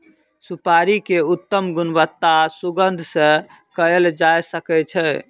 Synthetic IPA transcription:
supaɾikeut̪ːəmɡunbət̪ːasuɡənd̪ʱsə̃ | kəeld͡ʒajsəkɛt͡ʃʰɛ

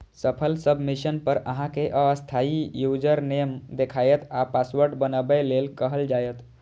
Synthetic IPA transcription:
səpʰəlsəbmiʃənpəɾə̰ɦãkeʔəəst̪ʰaijud͡ʒəɾnemd̪ekʰajət̪ʰapaswəɾɖbənəbelelkəɦəld͡ʒajət̪

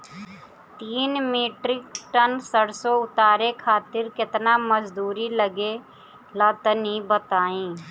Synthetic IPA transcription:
t̪iːnmeːʈɾɪkʈənsəɽsoʊt̪aːɾekʰaːt̪ɪɾkɪt̪naməd͡ʒd̪uːɾiləɡe | ləːt̪ənibət̪aːĩː

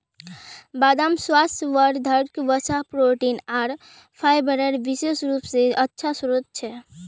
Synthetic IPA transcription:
bad̪amswast̪ʋəɾd̪ʱəɾkʋət͡ʃapɾoʈinaɾ | pʰajbəɾəɾbisesɾupsẽətːʃʰasuɾut̪̚t͡ʃʰɛ

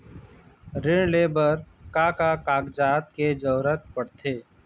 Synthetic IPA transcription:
ɾɪɳ̃leːbəɾkaːkakaːɡd͡ʒaːt̪̚ked͡ʒəːɾət̪̚pəɽt̪ʰeː

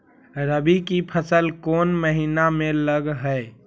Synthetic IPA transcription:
ɾəbikipʰəsəlkoːnməɦiːnamẽləɡɦɛe

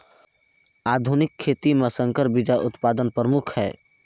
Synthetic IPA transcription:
aːd̪ʱunɪkʰːeːt̪imesə̃ŋkəɾbɪd͡ʒaʔʊt̪paːd̪ənpɾəmʊkʰhɛː

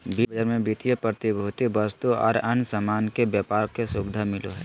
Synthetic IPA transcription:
bibəd͡ʒəɾmẽbit̪ijəpɾət̪ibʱuːt̪ibəst̪uɔ̰ːɾɐnsəmaːnkebjəpaːɾkesubd̪ʱamɪlo̰ɦɛ̰ː

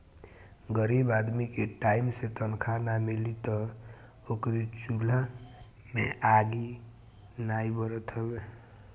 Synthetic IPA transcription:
ɡəɾibad̪mikeʈaɪimset̪ənkʰanamelit̪ɔ | okɾit͡ʃula | meʔaɡi | naibəɾət̪ɦɛbe

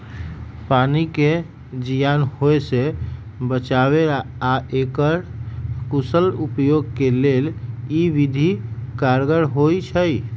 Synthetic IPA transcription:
panike | d͡ʒijanɦoese | bət͡ʃaβeɾaaekəɾkusəlupjoɡkeleliʋid̪ʱikaɾɡəɾɦojt͡ʃʰəj

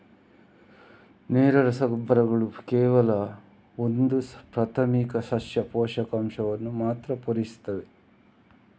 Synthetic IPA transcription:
neːɾɐɾɐsɐbʱɾɐɡɐɭukɛːʋɐlɐ | ond̪upɾɐt̪ʰɐmiːkɐsɐsjɐpoːʃɐkɐmʃɐʋɐnːumaːt̪ɾɐpoɾisi̥t̪ːɐʋe

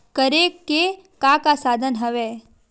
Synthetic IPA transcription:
kəɾekkːe | kakasaːd̪ʱənɦəʋe

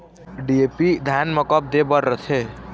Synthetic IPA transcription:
ɖiepid̪ʱanməkɔp̚d̪ebəɾːət̪ʰe

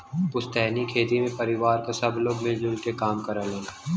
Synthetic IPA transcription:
pʊst̪ɛːnikʰeːt̪imẽpɐɾɪʋaːɾkosɐbloːɡmɪld͡ʒʊlkekaːmkɐɾəleːna

